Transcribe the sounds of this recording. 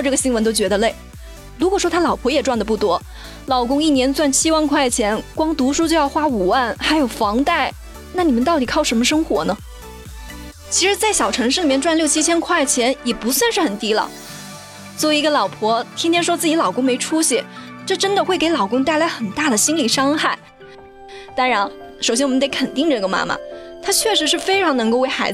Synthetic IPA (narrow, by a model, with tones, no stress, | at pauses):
ʈ͡ʂɤ˥˩ɡə˩ɕi˥ŋwə˧˥nt̪o˥t͡ɕɥɛ˧˥d̪ə˧le˥˩ɪ | lu˧˥kwɔ˨˩ʂwɔ˥t̪ʰa˥lɑ˨˩ʊpʰwɔ˧˥jɛ˨˩ʈ͡ʂwa˥˩nd̪ə˩pu˥˩t̪wɔ˥ | lɑ˨˩ʊkʊ˥ŋi˥˩njɛ˧˥nt͡swa˥˩nt͡ɕʰi˥wa˥˧nkʰwa˥˩ɪt͡ɕʰjɛ˧˥nkwɑ˥ŋt̪u˧˥ʂu˥t͡ɕjo˥˧ʊjɑ˥˧ʊxwa˥u˨˩wa˥˩nxa˧˥ɪjo˨˩ʊfɑ˧˥ŋt̪a˥˩ɪ | na˥˩ni˨˩mə˨nt̪ɑ˥˩ʊt̪i˨˩kʰɑ˥˩ʊʂə˧˥mə˧ʂɤ˥ŋxwɔ̰˧˥nə˧ | t͡ɕʰi˧˥ʂɻ̩˧˥t͡sa˥˩ɪɕjɑ˨˩ʊʈ͡ʂʰɤ˧˥ŋʂɻ̩˥˩li˨˩mjɛ˥˧nʈ͡ʂwa˥˧nljo˥˩ʊt͡ɕʰi˥t͡ɕʰjɛ˥nkʰwa˥˩ɪt͡ɕʰjɛ˧˥njɛ˨˩pu˧˥swa˥˧nʂɻ̩˥˩xə˨˩nt̪i˥lə̰˨ | swɔ˧˥˩i˧˥ɡə˧lɑ˨˩ʊpʰwɔ˧˥t̪ʰi˥t̪ʰjɛ˥nʂwɔ˥t͡sɹ̩˥˩t͡ɕi˧˥lɑ˨˩ʊkʊ˥ŋme˧˥ɪʈ͡ʂʰu˥ɕɛ˨˩ | ʈ͡ʂɤ˥˩ʈ͡ʂə˥nd̪ə˨xwe˥˩ɪke˧˥ɪlɑ˨˩ʊkʊ˥ŋt̪a˥˩ɪla˧˥ɪxə˨˩nt̪a˥˩d̪ə˩ɕi˥nli˨˩ʂɑ˥ŋxa˥˩ɪ | t̪a˥nɻa˧˥n | ʂʊɕjɛ˥nwɔ˨˩˧nt̪e˧˥ɪkʰə˨˩nt̪i˥˧ŋʈ͡ʂɤ˥˩ɡə˩ma̰˥mɐ̰˨˩t̪ʰa˥t͡ɕʰɥɛ˥˩ʂɻ̩˧˥ʂɻ̩˥˩fe˥ɪʈ͡ʂʰɑ˧˥ŋn˧˥ŋko˥˧ʊwe˥˩ɪxa˧˥ɪd͡z̩˧